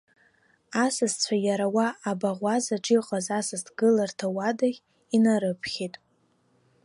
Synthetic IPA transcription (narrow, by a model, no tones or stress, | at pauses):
asɨzt͡sʷʰajaɾawaːbaʁʷazaʈ͡ʂʼiqʼazasɨztʰɡɨlartʰawadaʁʲ | inaɾɨpʰχʲetʼ